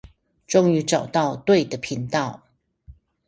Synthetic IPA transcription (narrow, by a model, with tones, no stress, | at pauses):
ʈ͡ʂʊ˥˧ŋy˧˥ʈ͡ʂɑ˨˩ʊt̪ɑ˥˧ʊt̪we˥˩ɪd̪ə˩pʰi˧˥˦ŋt̪ɑ˥˩ʊ